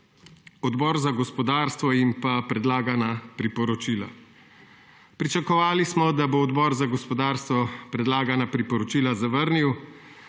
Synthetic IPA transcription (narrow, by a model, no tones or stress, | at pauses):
ɔd̪bɔːɾzaɡɔspɔd̪aːɾst̪ʋɔimpapɾɛd̪laːɡanapɾipɔɾɔt͡ʃiːla̰ | pɾit͡ʃakɔʋaːlismɔd̪aboːd̪bɔːɾzaɡɔspɔd̪aːɾst̪ʋɔpɾɛd̪laːɡanapɾipɔɾɔt͡ʃiːlazaʋəɾniw